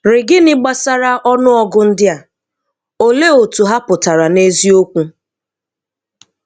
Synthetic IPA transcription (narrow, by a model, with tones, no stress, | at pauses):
ɾɪ˨ɡɪ˦nɪ˦ɡ͡ba˦sa˦ɾa˦ʔɔ˦nʊ˦ɔ˦ɡʊ˦n̩˦dɪ˦a˨ | o˨le˦o˨tu˨ɦa˦pʊ˨ta˨ɾa˨ne˦zi˦o˦kʷu˦